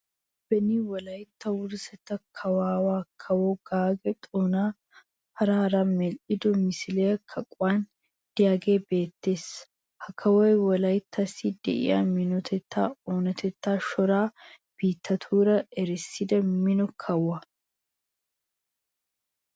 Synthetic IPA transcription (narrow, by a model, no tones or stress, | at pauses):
b̥ɛniwɔlɐjt̪ːɐwʊɾsɛt̪ːɐkʰɐwaːwaːkʰɐwɔɡaːɡɛt̪ʼoːnaː | hɐɾaːɾamɛlʔɪd̪ɔmɪsɪlejɐkʰɐkʼwaːn | d̪̥ɪjaːɡe̞ːbe̞ːt̪ːe̞ːs | hɐkʰːɐwɔjwɔlɐjt̪ːɐsːid̪̥ɛ̰ʔɪ̰ja̰mɪnɔt̪ʰɛt̪ʰːa̰ːoːnɐt̪ʰɛt̪ːaːʃɔɾaː | b̥iːt̪ʰːɐt̪ʰuːɾɐɛɾɪsːɪd̪ɐmɪnɔkʰɐwɐ